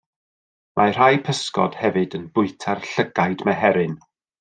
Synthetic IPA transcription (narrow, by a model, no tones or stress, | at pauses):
mʔar̥ajpʰəskɔ̰d̥hɛvɨdənbʊɨtʰarɬəɡajdmɛɦɛɾɨn